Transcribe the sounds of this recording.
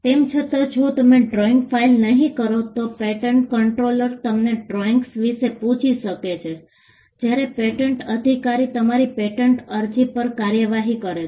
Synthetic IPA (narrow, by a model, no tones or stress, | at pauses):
t̪emt͡ʃʰət̪ə̃d͡ʒʰʱõt̪əmeɖɾɔiŋɡfailnəɦĩkəɾot̪opeʈəɳʈkəɳʈɾoləɾt̪əmneɖɾoiŋɡsʋiʃepũt͡ʃʰiʃəket͡ʃʰe | d͡ʒjaɾepeʈəɳʈəd̪ʱikaɾit̪əmaɾipeʈəɳʈəɾd͡ʒipəɾkaɾjəʋaɦikəɾe